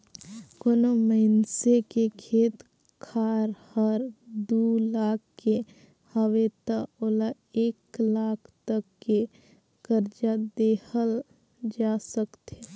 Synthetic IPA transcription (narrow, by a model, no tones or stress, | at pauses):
konoməɪnsekekʰeːt̪ | kʰaːɾhəɾd̪ulaːkʰːe | həʋet̪aoːla | eːklaːkʰt̪əkːe | ɡ̥əɾd͡ʒad̪eːhəl | d͡ʒaːsəkt̪e